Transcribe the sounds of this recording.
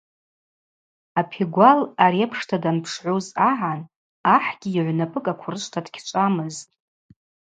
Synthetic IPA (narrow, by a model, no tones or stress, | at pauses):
apʰiɡʷalaɾiepʰʂtʰadanpʰʂʕʷozaʕan | aħɡ̥ʲiːʕʷnapʼɨkʼakʷʰʊrɨʃʷʰʼtʰadkʲʰt͡ʃʷʼamɨztʼ